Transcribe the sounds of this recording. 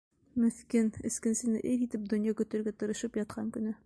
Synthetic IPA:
mɵ̆θkinɘ̆skɘ̆nsɘ̆nɘʔɘɾit̪ɘp̚d̪ŏnjɑkɵ̆t̪ɘ̆ɾɡæt̪ɤ̆ɾɤ̆ʃɤpjɒt̪̚qʰɑŋkɵ̆nɘ

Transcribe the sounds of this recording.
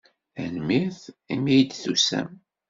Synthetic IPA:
æ̰nmiθimijd̪θusæ̰m

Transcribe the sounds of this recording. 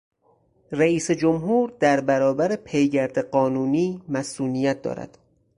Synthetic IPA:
ræiːsed͡ʒomɦuːɾd̪æɾbæɾɒːbæɾepʰejɡæɾd̪eɢɒːnuːniːmæsuːnijæt̪̚ʰd̪ɒ̰ːɾæ̰d̪̥

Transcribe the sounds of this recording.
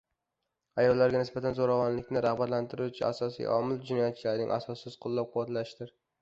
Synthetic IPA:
ajɒlːaɾɡʲanɪsbat̪ʰanzoɾavɒnlɪkʲnɪɾaχbat̪lant̪ʰɪɾut͡ʃʰɪa̰sɒsḭjʔɒ̰mɪlˠd͡ʒɪnɒjat̪̚t͡ʃʰɪlaɾnɪŋʔa̰sɒsːɪz̥qʰʊlˠːɒp̚qʰʊwat̪laʃɪd̪ɪɾ

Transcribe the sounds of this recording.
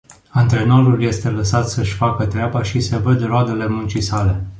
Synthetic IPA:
ant̪ɾe̞noɾulje̞st̪e̞ləsat̪səʃʲfakət̪ɾeabaʃise̞vəd̪road̪e̞le̞munt͡ʃisale̞

